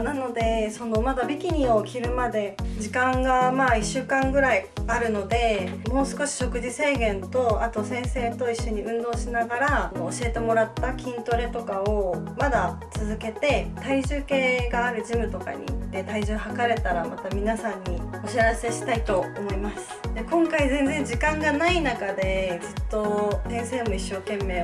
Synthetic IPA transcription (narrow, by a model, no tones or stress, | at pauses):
nano̞d̪e̞so̞no̞mad̪abʲikʲiɲ̟io̞kʲiɾɯ̟mad̪e̞d͡ʑikãŋɡamaːiɕːɨːkãŋɡɯ̟ɾaiaɾɯ̟no̞d̪e̞mo̞ːsɨ̥ko̞ɕi̥ɕo̞kɯ̟d͡ʑise̞ːɡẽ̞nt̪o̞at̪o̞sẽ̞ɰ̃se̞ːt̪o̞iɕːo̞ɲ̟iʔɯ̟̃nd̪o̞ːɕinaɡaɾaoːɕie̞t̪e̞mo̞ɾat̪ːakʲĩnt̪o̞ɾe̞t̪o̞kaomad̪a | t͡sɨzɨke̞t̪e̞t̪aiʑɨːke̞ːɡaːɾɯ̟d͡ʑimɯ̟t̪o̞ka̰ɲ̟ḭːt̪ːe̞t̪aiʑɨːhakaɾe̞t̪aɾamat̪amʲinasãɲ̟ːio̞ɕiaɾase̞ɕi̥t̪ait̪o̞ːmo̞imasɨ̥d̪e̞kõ̞ŋkaizẽ̞ñd͡zẽ̞ɲ̟d͡ʑikãŋɡanainakad̪e̞d͡zɨt̪ːo̞t̪ẽ̞ɰ̃se̞ːmo̞iɕːo̞ːkẽ̞mːe̞ː